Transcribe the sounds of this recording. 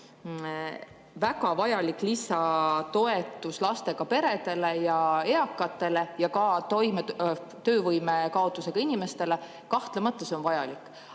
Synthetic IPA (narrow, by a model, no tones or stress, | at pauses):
vækɑvɑjɑlikːlisɑt̪o̞e̞t̪ːˑuslɑst̪e̞ɡ̥ɑpe̞ɾe̞d̪e̞le̞jɑeɑkːˑɑt̪ːˑe̞le̞jɑkɑt̪o̞jme | t̪ø̞ːvɤjmekɑo̞t̪ːˑuse̞ɡ̥ɑinime̞st̪e̞le̞ | kɑht̪lemɑt̪ːˑeso̞nvɑjɑlikːˑ